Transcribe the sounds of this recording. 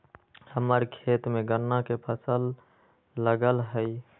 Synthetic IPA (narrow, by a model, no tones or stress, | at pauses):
həməɾkʰet̪mẽɡənːakepʰəsəlː | əɡəlɦəi